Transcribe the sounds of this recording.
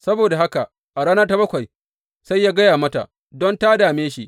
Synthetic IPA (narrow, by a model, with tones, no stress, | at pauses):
sɐ˦boː˨da˨ɦa˦ka˨ | ʔa˨ɽaː˦nɐ˦rta˦bɐ˦kʷa˨j | sa˦jːaː˦ɡɐ˦jaː˨mɐ˦ta̰˨ʔ | dɔ˦ntaː˦daː˨meː˦ʃi˦ʔ